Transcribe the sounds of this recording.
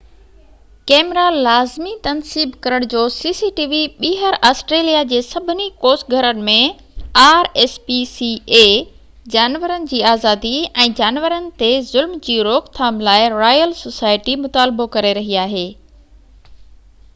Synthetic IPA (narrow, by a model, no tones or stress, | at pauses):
kɛːmɾalaːzmit̪ɐnsiːbkɐɾəɽ̃d͡ʑoːsiːsiʈiːʋiɓiːɦəɾaːsʈɾeːlijad͡ʑeːsɐbʱɪnikoːsɡʱɐɾənɪ̆mẽ | aːɾɛːspisieː | d͡ʑaːnʋəɾənɪ̆d͡ʑiːaːzaːd̪iɛ̃ːd͡ʑaːnʋəɾənɪ̆t̪ezʊlmd͡ʑiːɾoːkt̪ʰaːmlaːɪɾaːjəlsosaːɪʈimʊt̪aːlbokɐɾeɾɐɦiaːɦeː